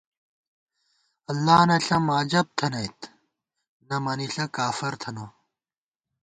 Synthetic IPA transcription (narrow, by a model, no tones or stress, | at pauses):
ɐlːaːnɐɬɐmaːd͡ʑɐb̚t̪ʰɐnɐjt̪ | nɐmɐniɬɐkaːfɐɾt̪ʰɐno